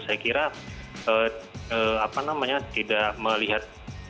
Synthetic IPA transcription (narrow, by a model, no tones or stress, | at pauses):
sajakiɾaəəapanamaɲat̪idaʔməliɦat̪̚